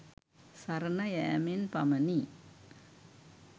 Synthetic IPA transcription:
sɐɾnɐjɛːminpɐmɐni

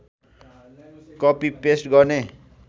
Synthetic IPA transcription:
kʌpipesʈɡʌrne

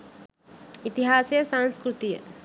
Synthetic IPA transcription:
it̪iɦaːsjəsãnskɾut̪ijə̰

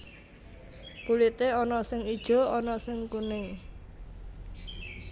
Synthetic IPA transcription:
pulit̪eɔnɔsɪŋid̥ʒ̥ɔ̤ɔnɔsɪŋkunɪŋ

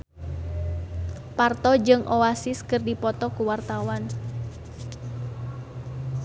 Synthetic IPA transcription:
part̪ɔd͡ʒɨŋʔɔasɪskɨrdipɔt̪ɔkuwart̪awan

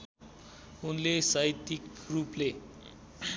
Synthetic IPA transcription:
unlesait̪ikruple

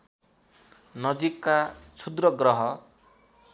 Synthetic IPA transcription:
nʌd͡zikːat͡sʰud̪rʌɡrʌɦʌ

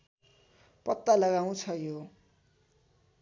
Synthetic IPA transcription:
pʌt̪ːalʌɡaw̃t͡sʰʌjo

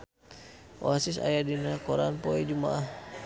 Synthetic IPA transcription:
ʔo̰asisa̰jadinakoɾanpoɛd͡ʒuma̰ʔah

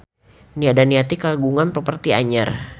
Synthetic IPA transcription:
niadaniat̪ikaɡuŋanpəpərt̪ia̰ɲa̰r

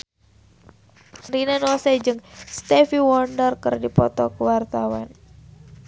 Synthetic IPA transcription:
rinanɔsɛd͡ʒɨŋst̪ɛfiwɔndərkərdipɔt̪ɔkuwart̪awan

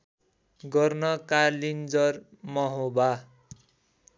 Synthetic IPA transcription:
ɡʌrnʌkalind͡zʌr | mʌɦoba

